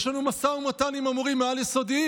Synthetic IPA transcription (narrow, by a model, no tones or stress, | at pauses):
ʃlanumasaumat̪animamuʁimːealjeso̞d̪i